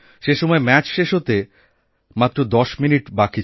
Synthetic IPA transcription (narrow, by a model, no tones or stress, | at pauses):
ʃeʃɔmɔemɛt͡ɕʃeʃɦot̪e | mat̪ːɾod̪ɔʃminiʈbaki